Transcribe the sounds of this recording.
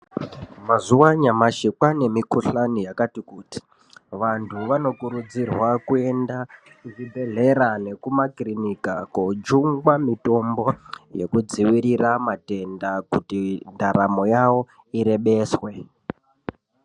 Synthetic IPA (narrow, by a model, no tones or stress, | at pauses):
mazuwaɲamaʃikwane̞mikuɬanijakatikuːti̥ | ʋantʰuʋano̞kuɾud͡zirwakue̞nda | kut͡ʃibʱe̞ɮe̞ɾane̞kumakrinikakod͡ʒuŋɡwamito̞mbo̞je̞̰kud͡ziʋiɾiramate̞ndakutindaɾamo̞jawo̞ | iɾe̞ɓe̞ːswe̞